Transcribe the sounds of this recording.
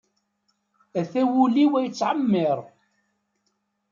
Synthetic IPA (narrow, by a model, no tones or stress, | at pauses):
æθæwuliwæjət͡sːʕəmːɪɾˤ